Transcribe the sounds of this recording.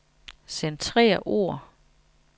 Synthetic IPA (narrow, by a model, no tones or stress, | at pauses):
sent͡sʰʁɛ̰ːɐʔo̝̰ɐ̰